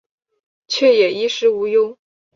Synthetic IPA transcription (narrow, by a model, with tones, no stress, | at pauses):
t͡ɕʰɥɛ˥˩jɛ˨˩i˥ʂɻ̩˧˥u˧˥jʊ˥ŋ